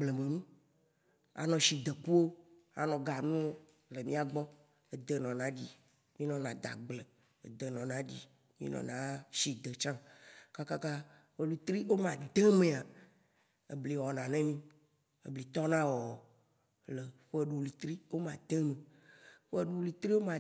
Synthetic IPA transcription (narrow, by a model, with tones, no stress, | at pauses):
ɡ͡blə˨mẽ˨nũ˦ | a̰˨nɔ̃˨ʃi˨d̪ə˨ku˦wo˦ | a̰˨nɔ̃˨ɡa˨nũ˦o˦ | lə˨mĩ˦a˨ɡ͡bɔ̃˦ | e˨d̪ə˨nɔ̃˨nã˦di˦ | mĩ˦nɔ̃˨nã˨d̪a̰˨ɡ͡blə˨ | ḛ˨d̪ə˨nɔ̃˨nã˦d͡ʑḭ˨ | mḭ̃˦nɔ̰̃˨nã̰˨˦ʃi˨d̪ə˨t͡ʃã˦ka˦ka˦ka˦ | ɸə˦lu˨t̪ɾi˦wo˦mã˨d̪e˦mẽ˨a˨ | e˨bli˨wɔ˨nã˨nẽ˦mĩ˦ | ḛ˨bli˨t̪ɔ˦nã˦wɔ˨ | lə˨ɸe˦ɖu˨wlu˨t̪ɾi˦wo˦mã˨d̪̥e˦mẽ˨ɸe˦ɖu˨˦li˨t̪ɾi˦wo˦mã˨